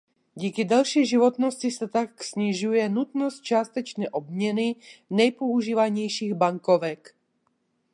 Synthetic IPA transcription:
ɟiːkid̪alʃiʒiʋɔt̪nɔscisɛt̪aksɲiʒujɛnut̪nɔst̪̚t͡ʃaːst̪ɛt͡ʃnɛːʔɔb̚mɲɛninɛjpouʒiːʋaɲɛjʃiːɣbaŋkɔʋɛk

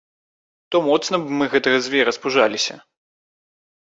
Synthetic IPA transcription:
t̪ɔmɔt̪snɐbɨmɨɣɛt̪ɐɣɐzʲvʲɛɾɐspuʐalʲisʲɐ̰

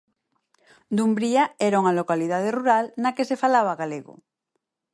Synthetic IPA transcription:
d̪umbɾiaɛɾauŋalokaliðað̞eruɾalnakesefalaβ̞aɣaleɣo̰

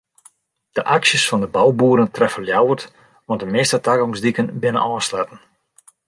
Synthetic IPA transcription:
d̥əʔaksjəsfɔndəbawbuːɾəntrɛfəljawərt | ʋɑntdəmɪstətakɡɔŋzdikənbɪnə̰nɔːslɛtən̩

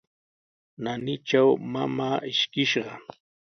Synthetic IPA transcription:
nanɪt͡ʃawmamaːʔɪʃkɪʃɢɑ

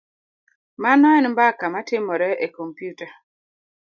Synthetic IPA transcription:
manɔɛnmbakamatɪmɔɾɛʔekompjuta

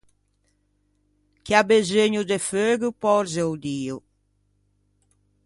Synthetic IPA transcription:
kiabezeɲud̪eføɡupɔɾzewd̪iːʊ

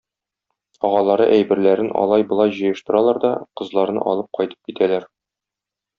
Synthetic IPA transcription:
ɒʁɑlˠɑɾɤ̰ʔæjbɘ̆ɾlæɾɘnʔɒ̰lˠɑjbɤ̆lˠɑjʑɤ̆jɤ̆ʃt̪ɤ̆ɾɑlˠɑɾd̪ɒqɤ̆zlˠɑɾnɤ̰ʔɒ̰lˠɤp̚qɒjt̪ɤ̥p̚kit̪ʰælæɾ

